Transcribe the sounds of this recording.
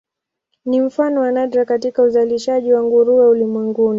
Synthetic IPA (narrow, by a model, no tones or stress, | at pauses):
nim̩fanɔwanadɾakatikauzaliʃaʄiwaŋɡuɾuwɛulimwɛŋɡuni